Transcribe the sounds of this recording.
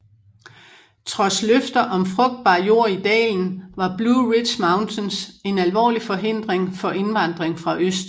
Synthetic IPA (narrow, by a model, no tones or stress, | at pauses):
t͡sʰʁɒ̽sløfd̥ɐʔɒ̽mfʁɔ̽ɡ̥̚d̥̚b̥ɑ̈ːjo̝ɐ̰id̥ɛ̰ːln̩ʋɑ̈b̥luʁid̥ɕmɑ̈ʊnt͡sʰense̝nælʋɒ̰ːlifɒ̽ɦe̝n̰d̥ʁeŋfɒ̽ʔe̝nʋɑ̈nd̥ʁeŋfʁɑ̈ʔøsd̥